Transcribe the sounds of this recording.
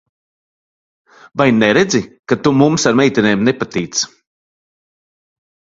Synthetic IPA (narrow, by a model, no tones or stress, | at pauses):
vajnɛɾed̪zikat̪umumsaɾmɛjt̪ʲineːmnɛpat̪iːt̪s